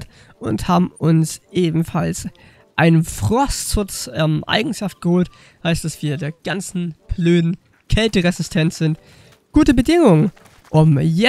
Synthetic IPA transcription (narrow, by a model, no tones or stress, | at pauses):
t | ʔʊnthaːbm̩ʊnsʔeːbm̩fals | ʔaɪnənfʁ̥ɔstʃʊt͡sʔɛmʔa̰ɪɡŋ̩ʃaft̚ɡ̥əhoːlt | haɪstd̥asv̥iːɐdeːɐɡ̥ant͡sn̩b̥løːdn̩ | kʰɛltəʁɛzɪstʰɛntz̥ɪnt | ɡ̥uːtəbədɪŋʊŋən | ʔʊmjɛ